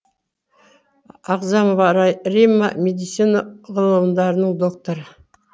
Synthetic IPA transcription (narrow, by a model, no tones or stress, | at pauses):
ɑqzɑmovɑɾɑjrimːamʲed̪it̪sinaʁəlˠəmd̪ɑɾənəɴd̪o̞k̚t̪oɾə